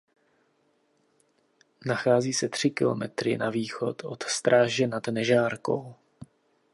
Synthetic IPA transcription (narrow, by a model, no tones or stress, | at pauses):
naxaːziːsɛt̪r̥ɪkɪ̰lo̰mɛt̪ɾɪ̰naviːxo̞t̪ʰʔo̞̰t̪st̪ɾaːʒɛnadnɛʒaːɾko̞w